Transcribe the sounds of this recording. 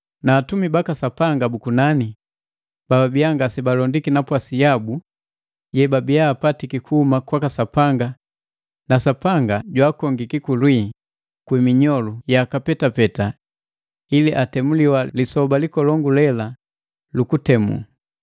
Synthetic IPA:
naːtumibakasapaŋɡabukunani | b̥ababiaŋɡasɛbalɔndikinapwasijabu | ɟɛbabijaːpatikikʰuhumakwakasapaŋɡa | nasapaŋɡaɟwaːkɔŋɡikikulwi | kwimiɲɔlujaːkapɛtapɛta | iliʔatɛmuliwalisɔbalikɔlɔŋɡulɛla | lukutɛmṵ

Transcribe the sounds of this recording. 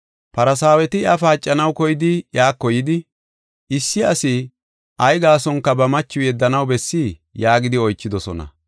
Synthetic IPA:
pɐɾɐsaːwɛt̪ɪɐfaːt͡ʃʼːɐnɐwkɔjɪd̪ɪjaːkːɔjɪd̪ɪ | ʔɪsːɪɐsɪ | ʔɐjɡaːsɔŋkːɐbɐmɐt͡ʃːʊjɛd̪ːɐnɐwbɛsːiːjaːɡɪd̪ɪɔjt͡ʃːɪd̪ɔsɔ̰nɐ̰

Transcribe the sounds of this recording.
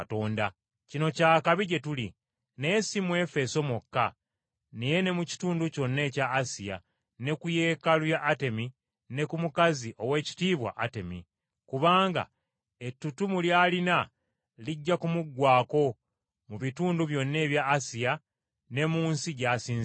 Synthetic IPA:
to̞ːnda | cino̞caːkaβiɟe̞tuli | ne̞ːsimwe̞fe̞so̞mokːa | neje̞ne̞muci̥tuːnduco̞nːe̞ːcaːsija̰ | ne̞kuje̞ːkalwjaʔːte̞mi | ne̞kumukaziʔo̞we̞ːci̥tiːβwa̰ʔate̞mḭ | kuβaːŋɡa̰ | e̞tːutumuljaːlina | liɟːakumuɡwaːko̞ | muβituːnduβjo̞nːe̞ːβjaːsija | ne̞muːnsiɟaːsiːnz

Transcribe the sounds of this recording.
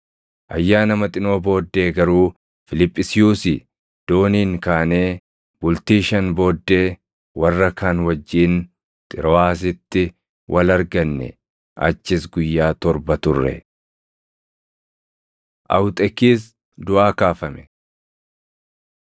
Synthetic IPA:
ʔɐjːaːnɐmɐt̪ʼɪno̞ːbo̞ːd̪ːe̞ːɡɐɾuː | fɪlɪpʼːɪsɪjuːsɪ | d̪̥oːniːŋkaːne̞ː | bʊlt̪iːʃɐnbo̞ːd̪ːe̞ː | wɐrːɐkaːnwɐd͡ʒːiːn | t̪ʼɪɾɔaːs̬ɪt̪ːɪ | wʔɐlɐɾɡɐnːɛ̰ | ʔɐ̰t͡ʃːɪsɡʊjːaːt̪ɔɾbɐt̪ʊrːɛ̰ | ʔɐ̰wt̪ʼɛkːiːs̬ | d̪ʊʔaːkaːfɐmɛ̥

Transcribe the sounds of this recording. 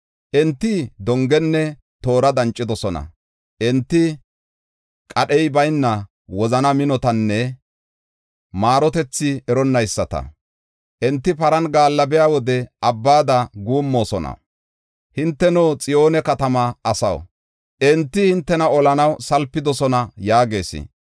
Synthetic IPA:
ʔɛnt̪ːɪd̪ɔŋɡɛnːɛ | t̪o̞ːɾɐd̪ɐnt͡ʃʼːɪd̪ɔsɔnɐ̰ | ʔɛnt̪ːɪ | kʼɐɗɛjbɐjnːɐ | wɔzɐnɐmɪnɔt̪ɐnːɛ | maːɾɔt̪ɛt͡sːɪɛɾɔnːɐjsːɐt̪ɐ̰ | ʔɛnt̪ːɪpɐɾɐnɡaːlːɐbɛjaːwɔd̪ɛʔɐbːaːd̪ɐɡuːmːo̞ːsɔnɐ̰ | hɪnt̪ːɛnoːt͡sʼɪjo̞ːnɛkɐt̪ɐmɐɐsɐ̰w | ʔɛnt̪ːɪhɪnt̪ːɛnɐɔlɐnɐwsɐlpːɪd̪ɔsɔnɐjaːɡe̞ːsɪ̰

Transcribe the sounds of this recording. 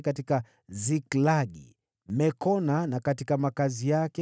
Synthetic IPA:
katika | ziklaɠḭ | m̩mɛkɔnanakatikamakazijakɛ

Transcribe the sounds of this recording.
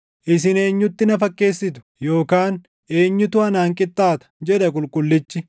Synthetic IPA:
ʔɪsɪne̞ːɲːʊt̪ːɪnɐfɐkːe̞ːsːɪt̪ʊ̥jo̞ːkaːn | e̞ːɲːʊt̪ʊɐnaːŋkʼɪt̪ʼːaːt̪ɐ̥d͡ʒɛᶑ̪ɐkʼʊlkʼʊlːɪt͡ʃːɪ

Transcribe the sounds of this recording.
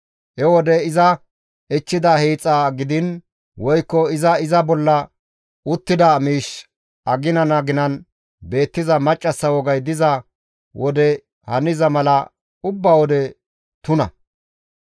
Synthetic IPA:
hɛwɔd̪ɛɪzɐ | ɛt͡ʃːɪd̪ɐhiːt͡sʼːaɡɪd̪ɪn | wɔjkːɔɪzɐɪzɐbɔlːɐ | ʊt̪ːɪd̪ɐmiːʃ | ʔɐɡɪnɐnɐɡɪnɐn | be̞ːt̪ːɪzɐmɐt͡ʃʼːɐsːɐwɔɡɐjd̪ɪzɐ | wʔɔd̪ɛ | hɐnɪzɐmɐlɐ | ʊbːɐwɔd̪ɛ | t̪ʊnɐ̰

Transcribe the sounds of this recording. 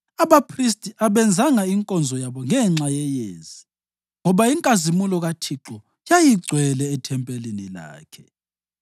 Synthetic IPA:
aβapʰris̬tʼiʔaβɛnd͡zʱaŋaiŋkʼɔnd͡zʱɔjaβɔŋɛŋ͡ǁajɛjeːz̥i | ŋɔβaiŋkʼazimulɔɣatʰiǁɔ | jajiɡ͡ǀʱwɛlɛːtʰɛmpʼɛlinila̰ːkʰɛ

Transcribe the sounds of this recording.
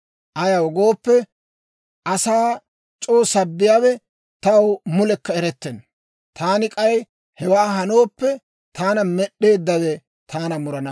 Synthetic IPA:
ʔɐjɐwɡo̞ːpːɛ | ʔɐsaː | t͡ʃʼoːsɐbːɪjaːwɛ | t̪ɐwmʊlɛkːɐɛɾɛt̪ːɛn | t̪ʰaːnɪkʼɐj | hɛwaːɦɐno̞ːpːɛ | t̪ʰaːnɐmɛɗe̞ːd̪ːɐwɛ | t̪ʰaːnɐmʊɾɐnɐ

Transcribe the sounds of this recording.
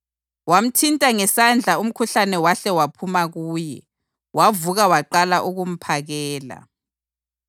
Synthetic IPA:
wam̩tʰintʼaŋɛsand͡ɮʱaum̩kʰuɬanɛwaɬɛwapʰumaɣuːjɛ̰ | wavuɣawaǃalaʔuɣum̩pʰaɣɛːla̰

